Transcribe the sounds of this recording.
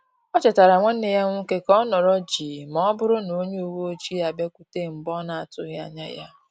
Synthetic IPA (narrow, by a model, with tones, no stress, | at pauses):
ɔ˦t͡ʃɪ˨ta˨ɾa˨ŋʷe˦n̩˦e˨ja˦ŋʷʊ˦ŋ̩˦ke˦kɔ˦nɔ˨ɾɔ˦d͡ʒiː˨mɔ˦bʊ˦ɾʊ˦no˨˦ɲe˦u˨wo˦o˦t͡ʃi˦a˨be˦ku˦te˦˨m̩˨bɔ˦na˨a˨tʊ˦ɣja̰˨ɲa̰˦ja̰˦